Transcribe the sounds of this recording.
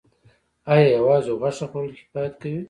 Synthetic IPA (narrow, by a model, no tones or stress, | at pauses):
ɑjɑjawɑːzoɣaʂaxolhɪfɑjat̪kawi